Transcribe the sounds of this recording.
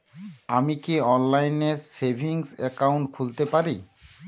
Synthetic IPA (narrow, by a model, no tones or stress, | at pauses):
amikiɔnlajneɾsebʱiŋsɛ̰kawɳʈkʰult̪epaɾi